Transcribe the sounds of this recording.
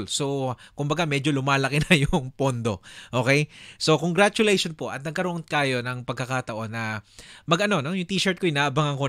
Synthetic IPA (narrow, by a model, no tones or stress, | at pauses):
lso̞kʊmbɐɡamɛd͡ʒo̞lʊmaːlɐkɪnɐjʊŋpond̪o̞ʔoːkɛjso̞koŋɡɾat͡ʃʊlɛjʃonpo̞ʔɐ̰t̪̚nɐɡ̚kɐɾoʔnkaːjo̞nɐŋpɐɡ̚kːɐkat̪ɐʔo̞nːɐmɐɡʔɐno̞no̞jʊŋt̪iːʃɛɹt̪̚kojnaʔɐbaŋɐŋko